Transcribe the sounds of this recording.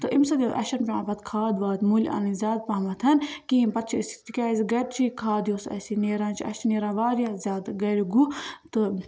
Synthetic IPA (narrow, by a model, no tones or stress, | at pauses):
t̪ɨʔimsɐd̪iʔɐ̰ʃɐnpʲa̰ːbɐt̪kʰaːd̪ʋaːd̪mulʲa̰ːnizʲaːd̪̚paːmɐt̪ʰɐnkiimpɐt̪̚t͡ʃʰisi̥t̪ikʲaːzʲiɡɐɾt͡ʃʰikʰaːd̪joːsɐ̰sineːɾãːnt͡ʃʰiɐ̰ʃneːɾãːʋaːɾijazʲaːd̪ɡɐɾʲiɡut̪ɨ